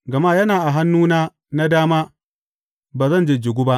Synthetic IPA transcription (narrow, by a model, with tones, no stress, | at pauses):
ɡɐ˨maː˦jɐ˦naː˨ʔa˨ɦa˦nːuː˦naː˦ | na˦daː˦maː˦ | baː˨zɐ˦˨nd͡ʒe˨d͡ʒɪ˨ɡʷʊ˦ba˦ʔ